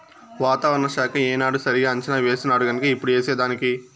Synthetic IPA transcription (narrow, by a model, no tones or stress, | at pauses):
ʋaːt̪aːʋɐɾɐɳɐʃaːkɐeɛːnaːɽusɐɾiɡaːɐɲt͡ʃɐnaːʋe̞ːsinaːɽuɡɐnɐkɐipːuɽueːseːd̪aːniki